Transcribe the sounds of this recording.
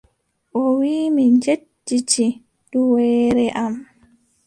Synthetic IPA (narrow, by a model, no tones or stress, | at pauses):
ʔɔwiːmiɲd͡ʒedːit͡ʃi | d̥uwɛːɾɛʔam